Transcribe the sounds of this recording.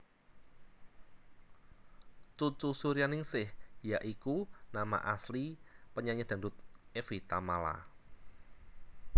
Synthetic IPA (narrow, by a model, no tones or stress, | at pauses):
t͡ʃut͡ʃusuɾianɪŋsɪhjaʔikunama̰ʔaslipəɲaɲɛd̪̥a̤ndʊt̪̚efit̪amala̰